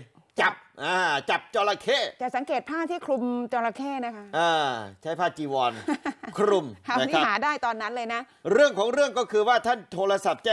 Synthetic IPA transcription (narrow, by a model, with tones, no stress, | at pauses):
t͡ɕa˨˩p̚ʔaː˧t͡ɕa˨˩p̚t͡ɕɔː˧la˧kʰeː˥˩t͡ɕa˨˩sa˩˦ŋkeː˨˩t̪̚pʰaː˥˩t̪ʰiː˥˩kʰɾu˧mt͡ɕɔː˧la˧kʰeː˥˩na˦˥kʰa˦˥ʔaː˧˩t͡ɕʰa˦˥jpʰaː˥˩t̚t͡ɕiː˧˩wɔː˧nkʰɾu˧˩mkʰa˧˩a˥˩ni˦a˦˥ɦaː˩˦daː˥˩jt̪ɔː˧nːa˦˥nlɤː˧jna˦˥ | ɾɯ˥˩əŋkʰɔː˩˦ŋɾɯ˥˩əŋkɔː˥˩kʰɯː˧waː˥˩t̪ʰa˥˩nt̪ʰoː˧ɾa˧sa˨˩p̚t͡ɕa˧˩